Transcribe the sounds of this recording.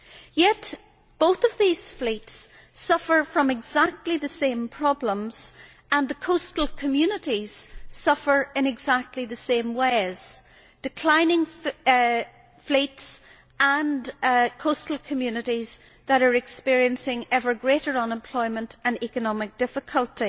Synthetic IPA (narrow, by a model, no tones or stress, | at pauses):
jɛʔ | b̥oθəvðiːz̥flits | ʌfə˞fɹʌ̃mɪɡzak̚tʰˡliðəsẽmpʰɹ̥ɔblə̃mz̥ | ə̃nðəkʰostl̩ˠkʰəmjʉnɪɾiz̥sʌfə˞ɪ̃nɪɡzak̚tʰˡliðəsẽmweɪz̥ | d̥ɪkʰl̥ãɪ̃nɪ̃ŋ | flits | ʔə̃nkʰostl̩ˠkʰəmjʉnɪɾiz̥ | ðəɾə˞ɨkspɪɹiə̃nsɪ̃ŋɛvə˞ɡɹeɾə˞ə̃nə̃mpʰl̥ɔɪmə̃ntʰə̃nikənɔmɪk̚d̥ɪfɪkʰəlˠti